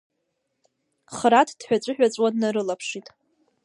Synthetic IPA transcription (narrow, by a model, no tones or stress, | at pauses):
χɾatʰd̥ħʷᶣat͡ɕʷʼɨħᶣʷat͡sʷʼwadnaɾɨlapʰʂitʼ